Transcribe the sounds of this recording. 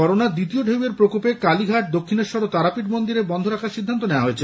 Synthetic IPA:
ɔɾonad̪it̪ioɖʱeweɾpɾokopekaliɡʱaʈ̚d̪okʰːineɾʃɔɾot̪aɾapiʈmond̪iɾebɔnd̪ʱoɾakʰaʃid̪ʱːant̪onewaɦoet͡ɕʰe

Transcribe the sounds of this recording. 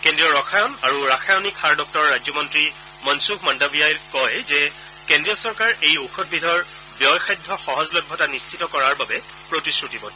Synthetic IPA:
kendɹijɔɹɔxʰajnaɹuɹaxʰajɔnikʰːaɹdɔk̚tɔɹɔɹːajd͡ʑzjɔmɔntɹi | mɔnsukmandabijalkɔjzɛ | kendɹijɔsɔɹkaɹejoxʰɔt̚bidʱɔɹ | bjɔjxʰajdʱːɔxɔɦɔzlɔjbʱːɔtanist͡ʃʰitɔkɔɹaɹbabɛ | pɹotiskɹutibɔn

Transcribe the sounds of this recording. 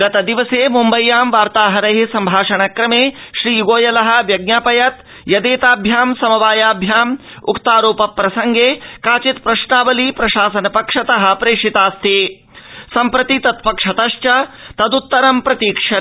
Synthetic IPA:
ɡɐt̪ɐd̪iʋɐseːmumbɐjːaːmʋaːɾt̪aːɦɐɾɐɦisɐmbʱaːʂɐɳɐkɾɐmeːʃɾiːɡoːjɐlɐɦɐ̆ʋjɐɡ̚njaːpɐjɐt̪ | jɐd̪eːt̪aːbʱjaːmsɐmɐʋaːjaːbʱjaːm | ṵkt̪aːɾoːpɐpːɾɐsɐŋɡeːkaːt͡ʃit̪pɾɐʃɳaːbɐlipɾɐʃaːsɐnɐpɐkʂɐt̪ɐɦɐ̆pɾeːʂit̪aːst̪ʰeː | sɐmpɾɐt̪it̪ɐt̪pɐkʂɐt̪ɐʃt͡ʃɐt̪ɐd̪ut̪ːɐɾɐmpɾɐt̪iːkʂɐ

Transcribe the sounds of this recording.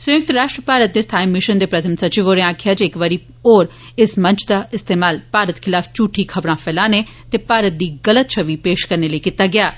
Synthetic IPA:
sʊjʊk̚t̪ɾaːʃʈɾəpaːɾət̪̚d̪est̪ʰaːimɪʃənd̪eːpɾɐt̪ʰəmsɐt͡ʃɪʋoːɾẽaːkʰjad͡ʒeɪkʋaːɾi | oːɾ | ɪsmɐ̃nt͡ʃʰd̪aɪst̪eːmaːlpaːɾət̪kʰɪlaːft͡ʃuːʈʰikʰɐbɾãfɛːlaːne | t̪epaːɾət̪̚d̪iːɡɐlət̪̚t͡ʃʰɐʋipeːʃkɐɾneləikɪt̪aɡɪjaː

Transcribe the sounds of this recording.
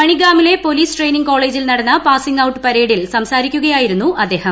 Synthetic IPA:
pɐɳiɡaːmile̞po̞liːsʈre̞jniŋɡko̞ːɭe̞ːd͡ʑilnɐɽɐnːɐpaːsiŋɡɐwʈːɨ̥pɐɾe̞ːɽilsɐmsaːɾikʲːuɣɐjaːjiɾunːuʔɐd̪ːe̞ːhɐm

